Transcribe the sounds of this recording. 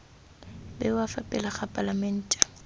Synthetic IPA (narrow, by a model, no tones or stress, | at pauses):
bɛwafapʼɪlaχapʼalamɛn̩ːtʼḁ